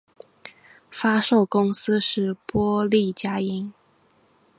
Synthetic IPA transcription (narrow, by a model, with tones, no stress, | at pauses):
fa˥ʂo˥˩ʊkʊ˥ŋsɹ̩˥ʂɻ̩˥˩pwɔ˥li˥˨˩t͡ɕja˥i˥n